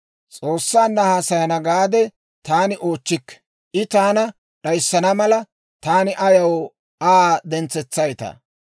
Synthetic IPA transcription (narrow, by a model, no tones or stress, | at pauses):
t͡sʼoːsːaːnːɐhaːsɐjɐnɐɡaːd̪ɛ | t̪aːnɪʔo̞ːt͡ʃːɪkː | ʔɪt̪aːnɐ | ɗɐjsːɐnɐmɐlɐ | t̪aːnɪʔɐjɐw | aːd̪ɛnt͡sːɛt͡sːɐjt̪ɐ̰